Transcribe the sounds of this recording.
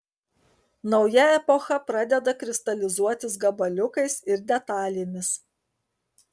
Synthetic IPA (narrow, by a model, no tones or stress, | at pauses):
nɒʊjɛɛpɔxɐpɾɑd̪ʲɛd̪ɐkɾʲɪst̪ɐlʲɪzuɔt̪ʲɪsɡɐbɐlʲʊkɐɪsɪɾd̪ʲɛt̪ɑːlʲemʲɪs